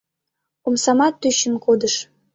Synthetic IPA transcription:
omsɑmɑt̪ːyɕənkod̪ə̆ʃ

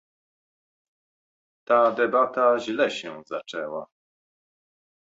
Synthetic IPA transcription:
t̪ad̪ɛbat̪aʑlɛɕɛzat͡ʂɛwa

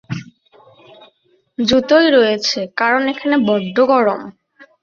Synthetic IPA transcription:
d͡ʑut̪ojɾojet͡ɕʰekaɾonekʰanebɔɖ̪ʱːoɡɔɾom

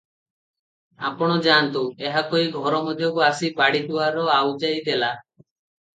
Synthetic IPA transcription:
a̰pɔɽ̃ɔd͡ʒaːnt̪ueɦakoiɡʱɔɾɔmɔd̪ʱjɔkuasibaɽiʈuwaɾɔawd͡ʒajd̪ela

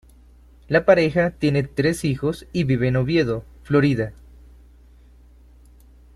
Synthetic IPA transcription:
lapaɾe̞xat̪je̞ne̞t̪ɾe̞sixo̞siβiβeːnoβje̞ðo̞ | flo̞ɾiða

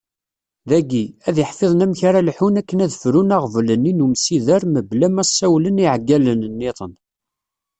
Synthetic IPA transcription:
ðæɡiæðjəħfeðˤnæmçaɾalħunækːənæðfɾunaʁvləninumsiðəɾməblæmæsːæwləniʕɡːælənnːɪt̪ˤən

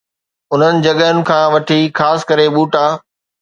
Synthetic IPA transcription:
ʊn̤ənɪ̆d͡ʑɐɠəənɪ̆kʰãːʋɐʈʰixaːsɪ̥kɐɾeɓuːʈaː

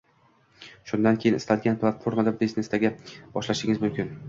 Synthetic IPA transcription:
ʃʊnd̪ankʲʰeɪnɪst̪alɡʲanplˠat̪fo̞ɾmad̪ad̪isnest̪aɡʲab̥ɒʃlaʃɪŋʲɪzmʊmkʲɪn

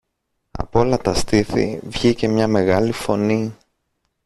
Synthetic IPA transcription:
ɐ̰po̞lɐt̪ɐst̪iθḭvʝice̞mɲɐme̞ɣɐlifo̞ni

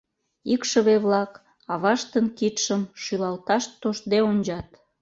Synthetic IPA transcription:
ikʃəβeβlɑk | ɑβɑʃt̪ənkit̪ʃəmʃylɑlt̪ɑʃt̪ːoʃd̪eonʲd͡ʑɑt̪

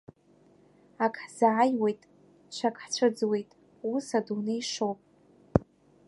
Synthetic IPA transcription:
akʼʰħz̥aʕajwe̞jtʼ | t͡ʃʷʰakʼħt͡ɕʷʰɨd͡zwe̞jtʼ | usadunejʂowpʼ

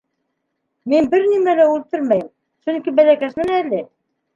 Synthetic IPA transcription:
minbɘɾnimælæʉlt̪ɵɾmæjɘm | sɵŋkibælækæʃmɘnælɘ

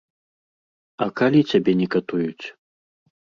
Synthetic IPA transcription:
ɐkalʲit͡sʲabʲɛnʲɛkat̪ujut͡sʲ

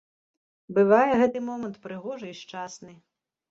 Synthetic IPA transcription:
bɨvajɛɣɛt̪ɨmɔmɐnt̪pɾɨɣɔʐɐiʂt͡ʂasnɨ

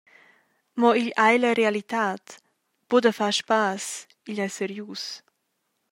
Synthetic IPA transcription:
mɔiʎajləɾealit̪aːt̪ | b̥ud̪əfaʃpas | iʎajsɛɾjuːs

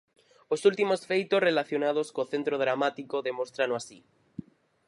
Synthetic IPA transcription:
osult̪imosfejt̪osrelaθjonað̞oskoθent̪ɾoð̞ɾamat̪ikoðemost̪ɾanoasi

